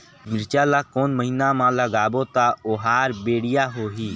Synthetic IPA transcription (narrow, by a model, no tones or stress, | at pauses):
mɪɾt͡ʃaːlaːkoːnməɦiːnaːmãːləɡaːboːt̪aːoɦaːɾbeːɽɪjaːɦoːɦiː